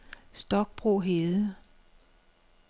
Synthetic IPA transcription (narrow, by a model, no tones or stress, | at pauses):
sd̥ɒ̽ɡ̥̚b̥ʁo̝̰ːɦeːðˠ